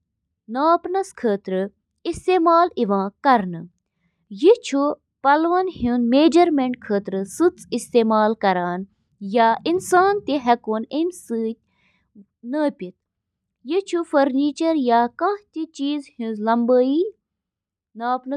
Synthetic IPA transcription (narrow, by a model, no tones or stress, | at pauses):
naːpnɐskʰəːt̪ɾɨ | ist̪eːmaːliʋãːkɐɾnɨ | jit͡ʃʰu | pɐlʋɐnhũnmeːd͡ʒɐɾmeɳʈkʰəːt̪ɾɨsɨt͡sist̪eːmaːlkɐɾaːn | jaːinsaːnt̪iɦɐkoːnemsɨt̚ʲ | nəːpʲit̪̚ | jit͡ʃʰufɐɾniːt͡ʃɐɾjaːkãːt̪it͡ʃiːzhũzlɐmbəːiː | naːpnɐ